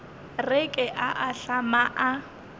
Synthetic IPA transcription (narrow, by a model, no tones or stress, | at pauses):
rɪkʼɪʔaʔaɬamaʔa